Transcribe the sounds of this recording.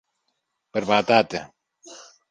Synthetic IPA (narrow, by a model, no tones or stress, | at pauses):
pəɾβat̪at̪ə